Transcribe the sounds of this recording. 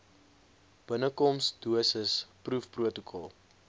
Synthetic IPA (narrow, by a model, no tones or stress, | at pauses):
b̥ənəkɔmsduəsəsprufpruətokʰɔlˠ